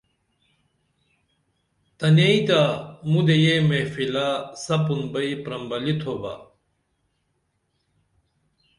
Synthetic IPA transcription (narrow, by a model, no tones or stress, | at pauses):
t̪ɐneit̪amud̪ejemefilasɐpunbɐipɾɐmbɐlit̪ʰoba̰